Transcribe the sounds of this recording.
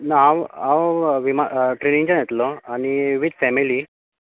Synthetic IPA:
naaʋaʋʋimaʈɾenĩŋt͡ɕãjet̪lɔañiʋid̪fɛmili

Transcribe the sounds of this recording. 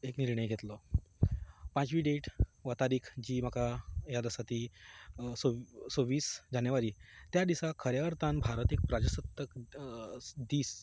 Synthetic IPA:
ekniɾɳəjɡʱet̪lɔ | pãt͡ɕʋiːɖeʈʋat̪aɾiːkʰd͡ʑiːm̤əkʰajad̪əsat̪iː | sosoʋiːsd͡ʑanjəʋaɾiːt̪jad̪isakʰəɾjaəɾt̪ãnbʱaɾət̪ek̚pɾad͡ʑəsət̪ːək | d̪iːs

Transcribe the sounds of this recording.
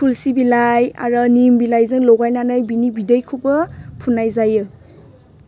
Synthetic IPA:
pʰulsibilaja̰ɾɔnimbilajzɯŋlɔɡajnanajbinibidejkʰɯbɔpʰunːajzajɯ

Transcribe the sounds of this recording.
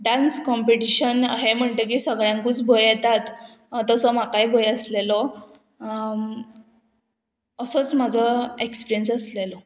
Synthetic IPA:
ɖanskɔmpeʈiɕənɦem̤əɳt̪əkisəɡɭjãŋkuːt͡sbʱojɛt̪at̪ | t̪əsɔm̤akaibʱojəslelɔ | əsɔt͡smad͡zʱɔekspiɾijənsəslelɔ

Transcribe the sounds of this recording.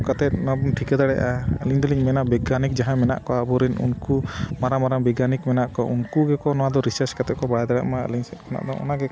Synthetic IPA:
kat̪ɛt̪̚nɔabɔnʈʰikɛd̪aɽɛʔaliɲd̪liɲmɛnabɛɡanik̚d͡ʒaɦãmɛna̰ʔkɔabɔɾinṵnkumaɾamaɾambɛɡanikmɛnaʔkɔunkuɡɛkɔnɔwad̪ɔɾisaɾskat̪ɛt̪̚kɔbaɽɛd̪aɽa̰ʔma̰liɲsɛt̪̚kʰana̰ʔd̪ɔʔɔ̰naɡɛkɔ

